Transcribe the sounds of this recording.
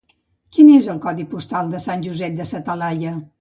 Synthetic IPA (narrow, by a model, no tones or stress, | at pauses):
kinezəlˠkɔðipust̪alˠd̪əsanʲʒuzɛt̪̚d̪əsət̪əlajə